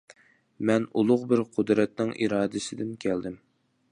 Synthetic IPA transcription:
mɛnulˠʊqbɪɾqʰʊd̪ɾɛt̪̚nɪŋʔḭɾɑːd̪ɨsɪd̪ɪmkʲʰɛld̪ɪm

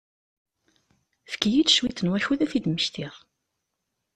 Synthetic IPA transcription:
fə̥kjid̪ʃwiθənwæçuðæθid̪məçt̪iʁˤ

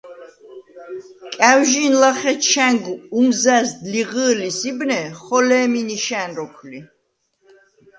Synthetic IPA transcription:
kʼæwʒinlaχɛʃʰæŋɡumzæsd̪liʁəːlisibnɛχɔlɛːminiʃænɾɔkʰli

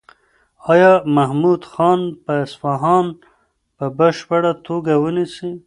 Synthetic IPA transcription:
ɑjɑmahmud̪xɑnpəɪsfɑɦɑn | pəbəʃpaɽat̪ʰoɡawənisi

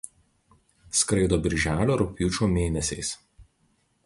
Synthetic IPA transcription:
skɾɐɪd̪oːbʲɪɾʲʒʲæːlʲoːɾʊpʲjuːt͡ʃʲuːmʲeːnʲɛsʲɛɪs

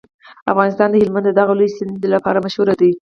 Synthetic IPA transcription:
a̰fɣɑnɪst̪ɑnd̪əhɪlmand̪əd̪aɣaləjsɪnd̪lapɑɾamaʃhuɾad̪a

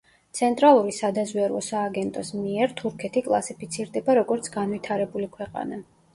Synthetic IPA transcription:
t̪sʰɛnt̪ʼɾalˠuɾisad̪azwɛɾɔsaːɡɛnt̪ʼɔsmiɛɾt̪ʰuɾkʰɛt̪ʰikʼlˠasipʰit̪sʰiɾd̪ɛbaɾɔɡɔɾt̪sʰɡanvit̪ʰaɾɛbulikʰwɛqʼa̰na

